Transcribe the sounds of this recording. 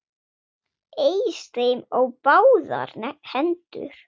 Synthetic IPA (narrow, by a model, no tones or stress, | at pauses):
ejst̪ɾejmɔɣpaːwða̰ɾhɛnt̪ʏ̰ɾ̥